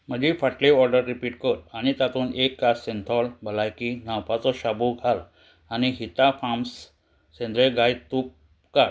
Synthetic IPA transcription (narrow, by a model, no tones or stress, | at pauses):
m̤əd͡ʑifaʈleɔɾɖəɾːipiːʈkəɾañit̪at̪ʰuːnʔekːasent̪ʰɔlbʱəlajkinawpat͡sɔɕabuɡʱal | aniɦit̪afams | sẽnd̪ɾeɡajt̪up̚ | kaɾ